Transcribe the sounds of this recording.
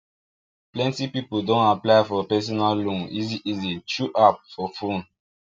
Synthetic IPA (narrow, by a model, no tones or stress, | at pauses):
plɛ̃ntipipuldõnaplaɪfɔpɛs̬ɔnallũniziʔizit͡ʃuʔap̚fɔfũn